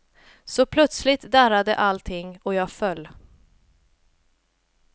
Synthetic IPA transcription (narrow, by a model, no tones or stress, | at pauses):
sɔpʰlœt̪slɪt̪d̪æɾad̪ə̰ʔalt̪ʰɪŋːɔjɑːɡfœlː